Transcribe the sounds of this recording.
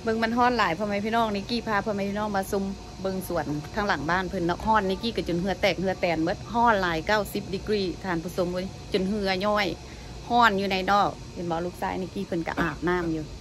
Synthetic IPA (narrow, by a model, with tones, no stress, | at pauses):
bɤ˧ŋma˧˥˨nɦɔː˧˥˨nlaː˨˦jpʰɔ˧˨ma˧jpʰiː˧˨nɔː˧˥˨ŋni˧˦kiː˧˩pʰaː˧˨pʰɔ˧˨ma˧˦jpʰiː˧nɔː˧˥˩ŋpa˧su˧˦m | bɤ˧ŋsu˨˦ənt̪ʰaː˧˩ŋla˨˦ŋbaː˧˥˨npʰɯ˧˨nːɔ˧k̚hɔː˧˥˩nːi˧˦kiː˧˥˨ka˧˩t͡ɕo˨nɦɯ˧˦˧t̪ɛː˧˩k̚hɯ˧ɐ˧t̪ɛː˨˩nbo˧˦t̪̚ɦɔː˧˥˩nlaː˨˦jkaː˧˩˨wsi˧˦p̚di˧˦kɾiː˧˩˨t̪ʰaː˧˩˨npʰuː˧˨so˧˦mu˧t͡ɕo˨nɦɯ˧ɐ˧ɲɔː˧˥˩j | hɔː˧˥˩njuː˧na˧jnɔː˧˥˩k̚he˨nwaː˧˦luː˧˦k̚saː˧˦jni˧˦kiː˧˩pʰɯ˧˨nka̰˧ʔaː˨˩p̚naː˧˥˨mjuː˧